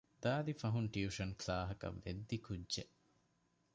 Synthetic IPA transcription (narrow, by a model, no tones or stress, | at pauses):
d̪̥aːd̪ifɐɦunʈjuuːʂɐnklaːɦɐkɐ̰ʋːḛd̪ːikudːʒe